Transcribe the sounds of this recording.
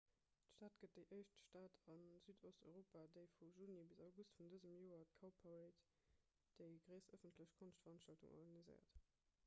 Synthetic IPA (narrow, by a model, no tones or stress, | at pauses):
tʃtaːtɡ̥ət̚d̥əɪʔəɪʃtʃtaːtʰɑnz̥yːdʰostɔʏʁoːpaːdəɪfuʒuːnibizaʊɡustfundəzəmjoːɐtkʰaʊpʰaeɪt | d̥əɪɡʁəɪsəfəntləɕkʰonʃtfɐʁɑnʃtɑltṵŋʔɔ̰ʁɡɑnizə̰ɪɐ̰t